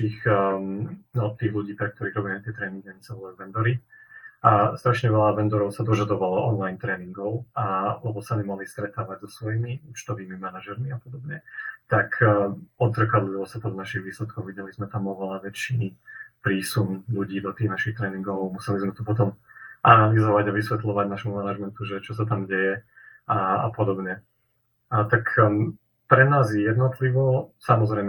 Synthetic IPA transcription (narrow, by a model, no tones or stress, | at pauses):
tiːx | ɔt̪iːɣluɟiːpɾɛk̚t̪ɔɾiːɣɾɔbimɛt̪ɪɛt̪ɾɛːniŋɡɛnt͡sɛɔlauʋɛnd̪ɔɾi | ast̪ɾaʃɲɛʋɛlaʋɛnd̪ɔɾɔʊsad̪ɔʒad̪ɔʋalɔɔnlajnt̪ɾɛːniŋɡɔʊalɛbɔsamimaɦlist̪ɾɛt̪aːʋaɟzɔsʋɔjimiuːt͡ʃt̪ɔʋiːmimanaʒɛɾmiapɔd̪ɔbɲɛt̪akʰːɔd̪zɾkad̪liʋɔsat̪ɔd̪naʃiɣʋiːslɛt̪̚kɔʊʋiɟɛlizmɛt̪amɔʋɛlaʋɛt͡ʃipɾiːsumluɟiːd̪ɔt̪iːɣnaʃixt̪ɾɛːniŋɡɔʋɔʊmusɛlizmɛt̪ɔpɔt̪̬ɔmʔanalizɔʋaɟaʋisʋɛt̪lɔʋaɟnaʃmumanaʒmɛnt̪uʒɛt͡ʃɔs̬at̪amɟɛjɛ | aa̰pɔd̪ɔbɲɛ | t̪ak | pɾɛnaːzɛjɛd̪nɔt̪liʋɔsamɔzɾɛɪm